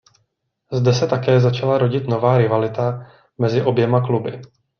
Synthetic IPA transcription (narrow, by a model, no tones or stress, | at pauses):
zdɛsɛt̪akɛːzat͡ʃalaɾo̞ɟɪt̪no̞vaːɾɪvalɪt̪a | mɛzɪʔo̞bjɛmaklubɪ̰